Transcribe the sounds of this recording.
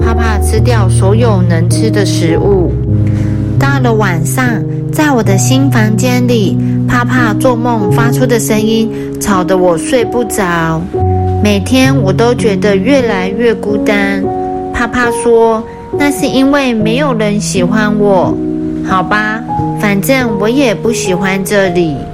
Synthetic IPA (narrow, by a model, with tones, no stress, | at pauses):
pʰa˥˧pʰa˥˧ʈ͡ʂʰɻ̩˥t̪jɑ˥˩ʊsɔ˧˥jo˨˩ʊnə˧˥ŋʈ͡ʂ̩ʰ˥d̪ə˨ʂɻ̩˧˥ʔu˥˩ | t̪ɑ˥˩ʊlə˩wa˨˩nʂɑ˥˧ŋ | t͡sa˥˩ɪwɔ˨˩d̪ə˦ɕi˥nfɑ˧˥ŋt͡ɕjɛ˥nli˨˩pʰa˥˧pʰa˥˧t͡swɔ˥˧mo˥˧ŋfa˥ʈ͡ʂʰu˥d̪ə˨ʂə˥ŋi˥n | ʈ͡ʂʰɑ˨˩ʊd̪ə˦wɔ˨˩swe˥˧ɪpu˥˩t͡sɑ˨˩˦ʊme˨˩ɪt̪ʰjɛ˥nwɔ˨˩t̪o˥ʊt͡ɕɥɛ˧˥d̪ə˧ɥɛ˥˩la˧˥ɪɥɛ˥˩ku˥t̪a˥n | pʰa˥pʰa˥˧swɔ˥ | na˥˧ʂɻ̩˥˩i˥nwe˥˩ɪme˧˥ɪjo˨˩ʊɻə˧˦nɕi˨˩xwa˦nwɔ˨˩˦xɑ˨˩ʊba˦fa˨˩nʈ͡ʂə˥˩ŋwɔ˨˧˥jɛ˨˩pu˥˩ɕi˨˩xwa˧˦nʈ͡ʂɤ˥˩li˨˩˦